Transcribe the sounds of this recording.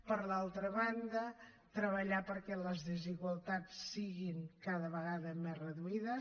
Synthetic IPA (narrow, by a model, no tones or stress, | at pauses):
pəɾlalˠt̪ɾəβand̪ə | t̪ɾəβəʎapəɾkɛləzðəziɣwəlˠt̪at͡sːiɣiŋkaðəβəɣaðəmerəðuiðə